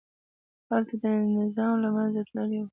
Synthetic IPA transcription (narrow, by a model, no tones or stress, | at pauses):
halt̪ad̪ənɪzɑmlamanzat̪ləlewu